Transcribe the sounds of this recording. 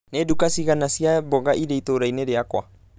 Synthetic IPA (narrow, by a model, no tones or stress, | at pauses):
nɛdukasiɣanasiabɔɡaʔideit̪oɾainɛdeakwa